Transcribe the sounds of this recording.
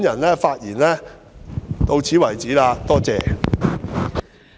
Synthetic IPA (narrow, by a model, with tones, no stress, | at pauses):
njɐ˨˩nlɛː˥faː˧t̚jiː˨˩nlɛː˥ | t̪o˧wt͡sʰiː˨˥wɐ˨˩jt͡siː˨˥laː˧t̪ɔː˥t͡sɛː˨